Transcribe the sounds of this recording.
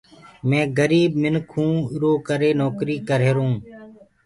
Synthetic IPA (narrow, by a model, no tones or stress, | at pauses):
mɛ̃ːɡəɾiːbmɪnkʰũːɪɾoːkəɾeːnoːkɾiːkəɾeːɾũː